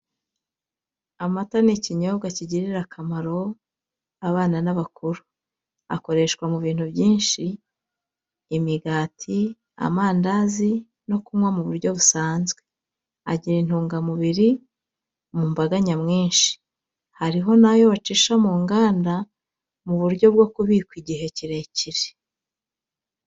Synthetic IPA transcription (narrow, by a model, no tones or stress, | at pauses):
amataniciɲoβɡaciɟiɾiɾakʰamaɾo̞ | aβaːnanaβakʰuɾu | a̰ko̞ɾe̞ʃkwamuβiːn̥huβɟiːnʃi | miɡaːtʰi | a̰maːndazi | no̞kumŋwamuβuɾɟo̞βusaːnzɡwe̞ | a̰ɟiɾin̥uːŋɡamuβiɾi | omumbaɡaɲamŋiːnʃi̥ | haɾiɦo̞najo̞βat͡ʃiːʃamuːŋɡaːnda | muβuɾɟo̞b̚ɡo̞kuβikwiɟihe̞ciɾe̞ciɾe̥